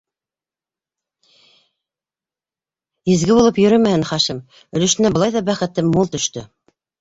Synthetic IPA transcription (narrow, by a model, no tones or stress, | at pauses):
izɡɘβulˠɤpjɵ̆ɾɵmæhɘnχɑʃɘm | ɵ̆lɵ̆ʃɘ̆næbɤ̆ɑjðɑbæχɘ̆t̪ɘmːulˠt̪ɵ̆ʃt̪ɵ